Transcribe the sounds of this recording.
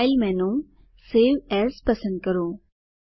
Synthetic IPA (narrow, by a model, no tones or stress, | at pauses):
ɪlmɛ̃ːnõ | seːwɛːɾspɐsə̃nd̪̚kɐɾoː